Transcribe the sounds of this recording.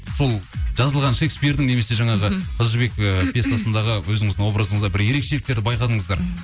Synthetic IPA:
so̞lˠʒ̥ɑzəlˠʁɑnʃe̞kspijɾd̪ɪŋne̞me̞se̞ʒɑɴɑʁəqʰəzəɾbe̞kəpʰʲjest̪asənd̪ɑʁəwɵzɪŋɪzd̪ɪŋwo̞bɾazəɴəzd̪ɑbɪɾje̞ɾe̞kʃe̞lɪkt̪e̞ɾd̪ɪbɑjqɑd̪əɴəzd̪ɑɾ

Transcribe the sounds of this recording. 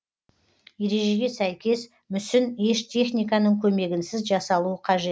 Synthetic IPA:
je̞ɾe̞ʒe̞ɡʲe̞sæjkʲe̞s | mʏsɪne̞ʃt̪ʲʰe̞χnʲijkɑnəɴkʲʰɵme̞ɡʲɪnsɪzʒɑsɑlˠuəqʰɑʒe̞t̪

